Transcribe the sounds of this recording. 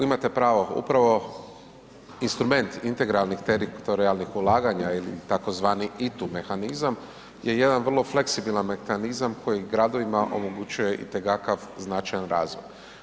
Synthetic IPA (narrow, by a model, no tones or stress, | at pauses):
imat̪e̞pɾaːʋoṵpɾaʋo̞ | inst̪ɾume̞nt̪int̪e̞ɡɾalnixt̪eɾit̪oɾialnixulˠaːɡaɲailit̪akozʋaːniit̪ume̞xanizam | je̞je̞d̪anʋr̩lˠo̞fle̞ksibilanmexanizamko̞jiɡɾad̪o̞ʋimaʔo̞̰mo̞ɡut͡ɕuje̞ʔḭt̪ekakaʋznat͡ʃajanɾaːzʋo̰j